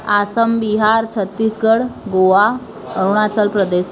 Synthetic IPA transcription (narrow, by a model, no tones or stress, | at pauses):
asəmbiɦaɾt͡ɕʰət̪ːiːsɡəɽɡoʋa | əɾuɽ̃at͡səlpɾəd̪es